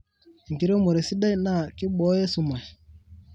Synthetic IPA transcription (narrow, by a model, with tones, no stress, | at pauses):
ŋ˨ɡi˨ɾo˦mo˨ɾe˨si˦da˦na˦˨kɪ˦ɓɔ˦je˦su˨ma˨j